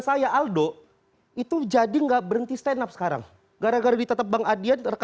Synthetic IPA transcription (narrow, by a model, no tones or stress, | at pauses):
sajaʔaldo | it̪ud͡ʒadiŋɡaʔbəɾənt̪ist̪ɛnap̚sə̥kaɾa̰ŋ | ɡaɾaɡaɾadit̪ət̪əp̚baŋadianərk